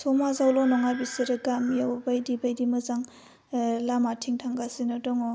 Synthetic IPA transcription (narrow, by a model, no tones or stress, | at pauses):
sʰɔmazawlɔnɔŋabisiɾɯɡamjawbajdibajdimɯzaŋ | lamatʰiŋtʰaŋɡasinɔdɔŋɔ